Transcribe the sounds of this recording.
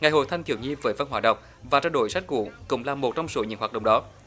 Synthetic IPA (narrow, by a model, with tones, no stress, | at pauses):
ŋa˨˩jho̰˧˨t̪ʰa˧jŋt̪ʰi˧˩wɲi˧vəː˨˦jvə˧nhwaː˧˩ɗə̰˨wŋ͡m | vaː˨˩aː˧wɗo˧˩jsa˦˥k̟̚kṵ˧˩˦kʊ̰˧˥ŋ͡mlaː˨˩mo˨˩t̚t͡ɕɔ˧wŋ͡mso˨˦ɲɨ̰˧˥˦ŋhaː˨˩ɗə̰˧˨wŋ͡mɗɔ˨˦